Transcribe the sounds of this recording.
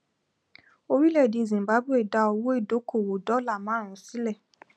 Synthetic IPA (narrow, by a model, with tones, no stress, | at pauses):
o˧ɾi˦lɛ˦˨di˨˧˨zĩ˨ba˨˦bu˦e˦˨da˧ɔ˧wo˦e˦˨do˨˦ko˦˨wo˨dɔ˨˦la˦˨mã˨˦ɾ̃ũ˨˦si˦lɛ˦˨